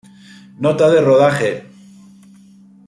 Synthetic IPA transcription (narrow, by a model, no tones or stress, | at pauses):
not̪aðeroð̞aχe